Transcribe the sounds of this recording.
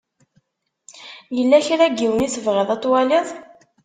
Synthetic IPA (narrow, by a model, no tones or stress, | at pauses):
jəlːæçɾæɡːiwəniθəvʁəðˤɑt̪ˤːwaliðˤ